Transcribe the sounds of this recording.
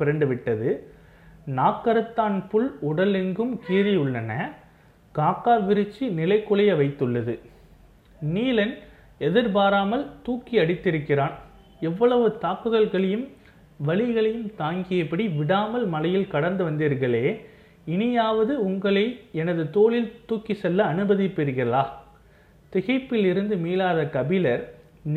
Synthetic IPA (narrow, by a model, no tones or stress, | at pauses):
pɪɾɐɳɖɯʋɪʈːɐðɯ | naːkːɐɾɯt̪ːaːnpʊɭʊɽɐlɛnɡɯmkiːɾɪjʊɭːɐnɐ | kaːkːaːʋɪɾɯt͡ʃːinɪlɐɪkːʊɭɐjɐʋɐɪt̪ːɯɭːɐðɯ | niːlɐn | ɛðɪɾp̬aːɾaːmɐlt̪uːkːiɐɽɪt̪ːɪɾɯkːɪɾaːn | ɛʋːɐɭɐʋɯt̪aːkːɯɣɐɭɣɐɭɐjɯm | ʋɐɭɪɣɐɭɐjɯmt̪aːŋɡɪjɐpːɐɽiʋɪɽaːmɐlmɐlɐjɪlkɐɽɐɾnd̪ɯʋɐnd̪iːɾɣɐɭeː | ɪnɪjaːʋɐðɯʊŋɡɐɭɐɪɛnɐðɯt̪oːɭɪlt̪uːkːisɛlːɐːnɯbɐðɪpːɪɾɯɣɪɾɐlaː | t̪ɪɣɐɪpːɪlɪɾɯnd̪ɯmiːlaːðɐkɐbɪlɐɾ